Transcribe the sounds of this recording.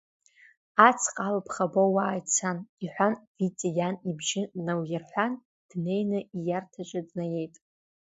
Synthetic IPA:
at͡sʰqʼalpʰχabowaːjt͡sʰaniħʷanvit͡sʼijanibʒɪnawjarħʷan | d̥ne̞jnɨijartʰat͡ʃʷʼadnaje̞jtʼ

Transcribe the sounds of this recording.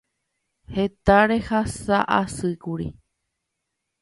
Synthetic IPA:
he̞t̪aɾe̞hasaʔasɨkuɾḭ

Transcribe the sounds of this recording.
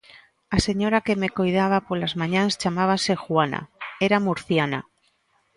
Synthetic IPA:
ase̞ɲoɾake̞me̞kojð̞aβ̞apolazmãɲãnst͡ʃamaβ̞ase̞xwana̰eɾamuɾθjana̰

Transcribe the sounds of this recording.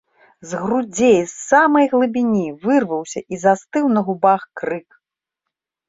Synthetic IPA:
zɣrud͡zʲejsːamɐjɣlˠɨbʲinʲivɨrvɐwsʲɐʔizast̪ɨwnɐɣubaxkrɨk

